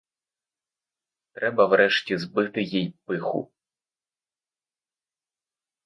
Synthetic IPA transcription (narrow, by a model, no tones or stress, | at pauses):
t̪ɾɛbɐwɾɛʃtʲizbɪt̪ɪjijpɪxʊ̰